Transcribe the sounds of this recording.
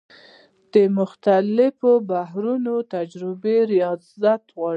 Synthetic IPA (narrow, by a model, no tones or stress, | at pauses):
d̪̥əmʊxt̪alɪfobaɦɾunot̪ad͡ʒɾɪbeɾijɑzat̪ɣwɑ